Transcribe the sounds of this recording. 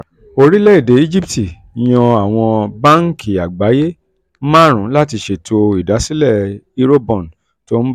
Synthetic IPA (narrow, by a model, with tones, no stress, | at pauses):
o˧ɾi˦lɛ˦i˦˨de˨˦i˦d͡ʒi˦pti˨ | j̃ɔ̃˧a˨w̃ɔ̃˧ba˦ŋ̩˦kʰi˨a˨ɡ͡ba˨˦je˦ | mã˦˨ɾ̃ũ˨˦la˦ti˧ʃe˨tʰo˧i˨da˨˦si˦lɛ˦˨i˦ɾo˦bɔ̃˨n˨ | to˦n̩˦